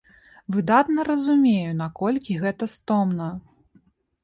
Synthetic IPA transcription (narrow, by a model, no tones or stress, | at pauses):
vɨd̪at̪nɐɾɐzumʲejun̪akɔlʲkʲiɣɛt̪ɐst̪ɔmnɐ